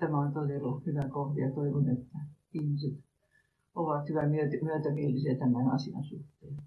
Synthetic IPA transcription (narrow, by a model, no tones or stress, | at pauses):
t̪æmæont̪oiselohyʋækohʋijɑt̪oiʋonet̪ːæ | ihmiset̪ | oʋɑt̪hyʋæmiøt̪myøt̪æmieliseæt̪æmænɑ̰siɑ̰nsuht̪ːeː